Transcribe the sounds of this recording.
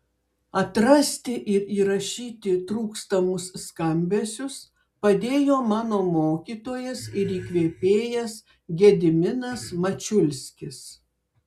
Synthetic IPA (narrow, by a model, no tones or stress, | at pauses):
ɐt̪ɾɐsʲt̪ʲɪʔɪɾiːɾɐʃʲiːt̪ʲɪt̪ɾuːkst̪ɐmʊsːkɐmʲbʲesʲʊs | pɐd̪ʲeːjoːmɑːnoːmoːkʲiːt̪oːjɛsɪɾiːkʋʲeːpʲeːjɛs | ɡʲɛd̪ʲɪmʲɪnɐsmɐt͡ʃʲʊlʲsʲkʲɪs